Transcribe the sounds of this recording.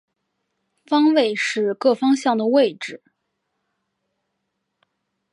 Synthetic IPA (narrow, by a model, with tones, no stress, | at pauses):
fɑ˥ŋwe˥˧ɪʂɻ̩˥˧kɤ˥˩fɑ˥ŋɕjɑ˥˩ŋd̪ə˩we˥˧ɪʈ͡ʂɻ̩˥˩